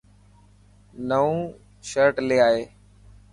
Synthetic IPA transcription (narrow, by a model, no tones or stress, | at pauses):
nəũː | ʃəɾʈleːaːɦeː